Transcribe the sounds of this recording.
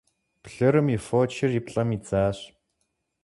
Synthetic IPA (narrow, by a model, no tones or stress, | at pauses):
pɬɐɾɨmifoːt͡ʃʰɪripɬʼɐmid͡zaːɕ